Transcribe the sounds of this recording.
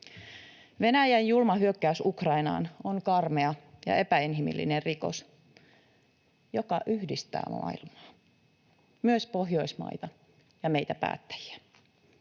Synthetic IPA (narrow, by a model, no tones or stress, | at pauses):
ʋe̞næjænjulmɑɦyøkːæysukrɑinɑ̰ːnonkɑrmeɑjɑ̰e̞pæinɦimḭlːḭnerriko̞̰s | jo̞kɑʔyhdist̪æ̰ːmɑ̰ːilmɑː | myøspo̞ɦjojsmɑ̰jt̪ɑ | jɑme̞jt̪æpæ̰ːt̪ːæ̥jæ